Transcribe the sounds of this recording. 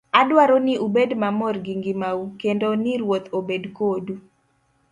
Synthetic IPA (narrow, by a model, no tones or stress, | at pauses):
adwaɾonɪʔubedmamɔrɡiŋɡimaukendonɪɾwot̪obedkodu